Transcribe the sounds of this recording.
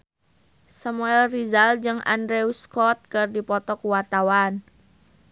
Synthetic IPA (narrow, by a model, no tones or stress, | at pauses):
samuɛlrizald͡ʒɨŋʔa̰ndɾeuskɔt̪̚kərdipɔt̪ɔkwart̪awan